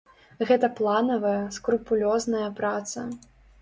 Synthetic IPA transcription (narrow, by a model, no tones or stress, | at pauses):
ɣɛt̪ɐplˠanɐvɐjɐskɾupulʲɔznɐjɐpɾat̪sɐ̰